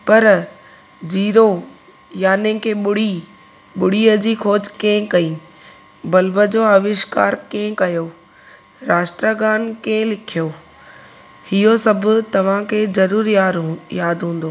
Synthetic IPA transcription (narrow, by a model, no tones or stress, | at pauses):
pɐɾ | d͡ʑiːɾo | jaːnẽkʰeːɓʊɽ̤i | ɓʊɽ̤iəd͡ʑiːkʰoːd͡ʑkẽɦɪ̃kɐĩː | bɐlbəd͡ʑoːaʋɪʃka̰ːɾkẽɦɪ̃kɐjo | ɾaːʃʈɾaɡaːnkẽɦlɪkʰijo | hɪɦosɐbʱʊ̆t̪ɐʋ̤ãkʰeːzɐɾuːɾajaːd̪ɦũːn̆d̪oː